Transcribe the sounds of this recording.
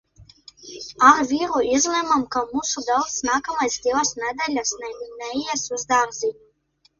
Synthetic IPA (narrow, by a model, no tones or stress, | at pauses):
aɾviɾuizlɛmamkaomusud̪ɛlˠt̪snaːkamajst̪ilˠasned̪eʎʲasnɛjminɛiesuzd̪aːmziɲu